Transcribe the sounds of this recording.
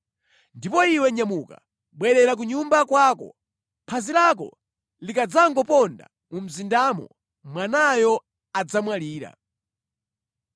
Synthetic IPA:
ndipɔiwɛɲamuka̰ | ɓwɛɾɛɾak̬uɲumbakwaːkɔ̰ | pʰazilak̬ɔ̰ | likad͡zaŋɡɔpɔnda̰ | mum̩zindamɔ̰ | mwanajɔ | ad͡zamwaliːɾa̰

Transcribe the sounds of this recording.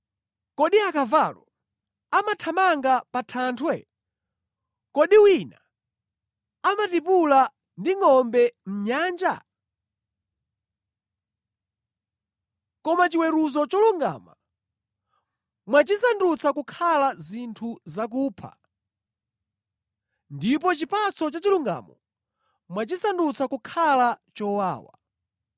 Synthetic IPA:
kɔɗiakavalɔ̰ | amatʰamaŋɡapatʰaːntʰwɛ̰ | kɔɗiwina | amatipula | ndiŋɔmbɛm̩ɲaːnd͡ʒa̰ | kɔmat͡ʃiwɛɾuzɔt͡ʃɔluŋɡa̰ːma̰ | mwat͡ʃisandut͡sakukʰalazintʰuzak̬uːpʰa̰ | ndipɔt͡ʃipat͡sɔt͡ʃat͡ʃiluŋɡa̰ːmɔ̰ | mwat͡ʃisandut͡sakukʰalat͡ʃɔwa̰ːwa̰

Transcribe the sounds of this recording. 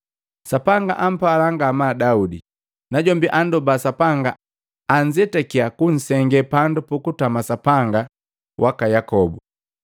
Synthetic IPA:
sapaŋɡa̰ʔam̩palaŋɡamadaudi | naɟɔmbiʔandɔbasapaŋɡaː | ɲd͡ʒɛtɛkiakun̩sɛŋɡɛpandupukutamasapaŋɡa | wʔakajakɔbu

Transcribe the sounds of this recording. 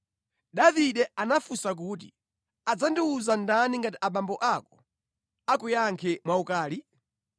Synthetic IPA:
ɗaviɗɛanafusak̬uːt̬i | ad͡zandiuzandaniŋɡatiʔaɓambɔʔakɔ̥ | akujaŋkʰɛmwaukaːli

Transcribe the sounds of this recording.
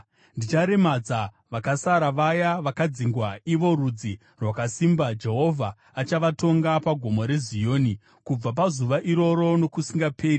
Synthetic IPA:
ndit͡ʃaɾe̞mad͡za | ʋakasaɾaʋajaʋakad͡ziŋɡwaiʋo̞ɾud͡zi | rwakasimbad͡ʒe̞ɦo̞vʱaː | t͡ʃaʋato̞ŋɡapaɡʱo̞mo̞ɾe̞zijo̞ːni | kub͡vap̬azuʋaʔiɾo̞ɾo̞no̞kusiŋɡape̞ːri

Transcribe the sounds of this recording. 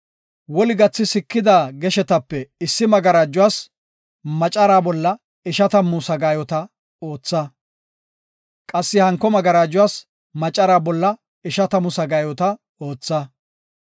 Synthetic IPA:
wɔlɪɡɐt͡sːɪsɪkːɪd̪aːɡɛʃɛt̪ɐpːɛɪsːɪmɐɡɐɾaːd͡ʒːʊwaːs | mɐt͡ʃʼːɐɾaːbɔlːɐ | ɪʃɐt̪ɐmʊsɐɡaːjɔt̪ɐ | o̞ːt͡sːɐ | kʼɐsːɪhɐŋkːɔmɐɡɐɾaːd͡ʒʊwaːs | mɐt͡ʃʼːɐɾaːbɔlːɐ | ɪʃɐt̪ɐmʊsɐɡaːjɔt̪ɐ | o̞ːt͡sːɐ

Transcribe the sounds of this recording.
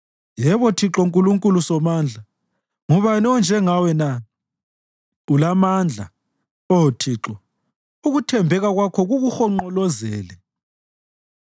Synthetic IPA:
jɛβɔtʰiǁɔŋkʼuluŋkʼulusɔmaːnd͡ɮʱa | ŋɔβanɛɔnd͡ʒʱɛŋawɛna | ulamand͡ɮʱa̰ | ɔtʰiːǁɔ | uɣutʰɛmbʱɛɣaɣwakʰɔɣuɣuxɔŋ͡ǃɔlɔzɛːlɛ

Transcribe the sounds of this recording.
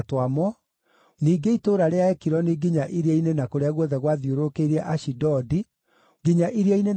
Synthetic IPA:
twamɔ | niːɡeitoːɾaɾeaɛkiɾɔneɡiɲaʔiɾeainenakoɾeaɣwɔðɛɣwaðioɾokeɾɛʔaʃidɔdi | ɡiɲaʔiɾiainen

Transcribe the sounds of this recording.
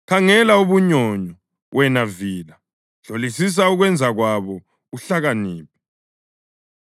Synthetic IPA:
kʰaŋɛlauβuɲɔɲɔ | wʔɛnaviːla | ɮ̥ʱolisis̬auɣwɛnd͡zʱaɣwaβɔ | uɬaɣaniːp̚ʰi̥

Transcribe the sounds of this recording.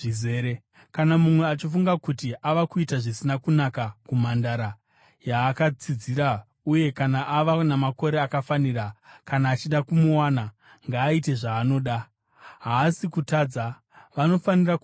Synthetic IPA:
izeːɾe | kanamumwe̞at͡ʃifuŋɡakutiʔaʋakuitaʐisinakunakakumandaɾa | jaːkat͡sid͡ziɾa | uje̞kanaʔaʋanamako̞ɾe̞akafanirakanaːt͡ʃiɗakumuwaːna | ŋɡaːite̞ʐaːno̞ːɗa | ɦaːsikutaːd͡za | ʋano̞fanirak

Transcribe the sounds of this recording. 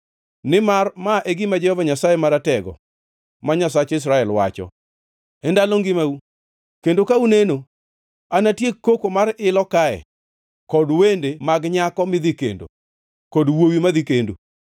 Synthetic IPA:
nɪmarmaʔeɡɪmad͡ʒɛhɔvaɲasajemaɾatɛɡɔ̰ | maɲas̬at͡ʃɪs̬ɾaɛlwa̰t͡ʃɔ̰ | ɛndaloŋɡɪmau | kendokauneno | anatjekːokomaɾɪlɔkaɛ̰ | kɔdwendemaɡɲakɔmɪd̪ikḛndo̰ | kɔdwowimaðikendo̰

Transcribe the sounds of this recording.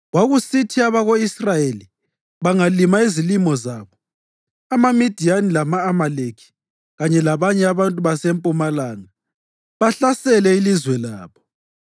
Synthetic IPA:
waɣusitʰiaβaɣoisrajeli | βaŋalimaizilimɔzaːβɔ | amamid̥ʱijanilamaːmalekʰi̥ | ɣaɲɛlaβaɲɛaβantʼuβasempʼumalaːŋa | βaɬasɛlɛilizwɛla̰ːβɔ

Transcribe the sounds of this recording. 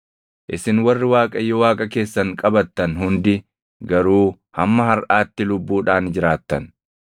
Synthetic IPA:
ʔɪsɪnwɐrːɪwaːkʼɐjːɔwaːkʼɐke̞ːsːɐŋkʼɐbɐt̪ːɐnɦʊnd̪ɪ | ɡɐɾuː | hɐmːɐhɐɾʔaːt̪ːɪlʊbːuːᶑaːnd͡ʒɪɾaːt̪ːɐn

